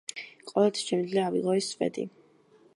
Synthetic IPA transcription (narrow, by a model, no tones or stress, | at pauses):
qʼɔlɛt̪ʰi̥sʃʰɛmd̪zliaːvḭʁɔisvɛ̰d̪ḭ